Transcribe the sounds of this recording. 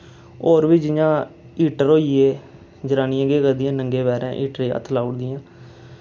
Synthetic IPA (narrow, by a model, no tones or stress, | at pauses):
oːɾʋid͡ʒɪjãː | iːʈəɾoːieː | d͡ʒəɾaːnĩãɡeːkəɾd̪ɪjãːnəŋɡeːbɛːɾã̰ːʔiːʈɾeːə̰t̪ʰlaːʊɽd̪ɪjãː